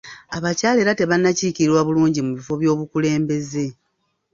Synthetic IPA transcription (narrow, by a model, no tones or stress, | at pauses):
aβacaːle̞ɾate̞βanːaciːciɾiɾwaβuluːɲɟimuβifo̞βjo̞ːβukule̞ːmbe̞ze̞